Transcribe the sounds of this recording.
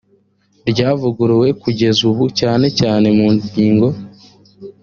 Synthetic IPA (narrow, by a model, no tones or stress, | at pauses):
ɾɟaːvuɡuɾiwe̞kuɟe̞zuβucaːne̞caːne̞muːɲɟiːŋɡo̞